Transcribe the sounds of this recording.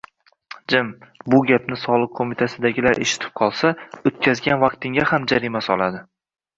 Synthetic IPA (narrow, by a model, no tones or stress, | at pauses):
d͡ʒɪmbʊɡʲapnɪsɒlˠɨq̚ʰomɪt̪ʰasɪd̪aɡʲɪlaɾʔḛʃɪ̥t̪ʰɪ̥p̚qʰɒlˠsaot̪̚kʲʰazɡʲanvɑqt̪ʰɪŋʲahamd͡ʒaɾimasɒlˠad̪ɪ